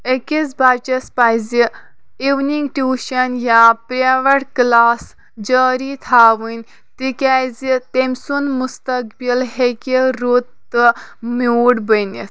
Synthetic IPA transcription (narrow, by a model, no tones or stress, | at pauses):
ekizbaːt͡ʃɐspaːjzi | iʋniŋɡʈuːʃɐnjapɾeʋɐʈklaːs | d͡ʒəːɾit̪ʰaːʋɨnʲ | t̪ikʲazit̪emʲsunmust̪ɐkbilɦekʲiɾut̪ː | ɨmuːɽbənis